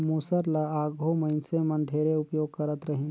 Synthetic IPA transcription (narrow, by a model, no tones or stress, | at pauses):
musəɾlaaːɡʱoməɪnsemə̃ɳɖʱeːɾeʊpjoːɡ̚kəɾət̪ɾəɦĩn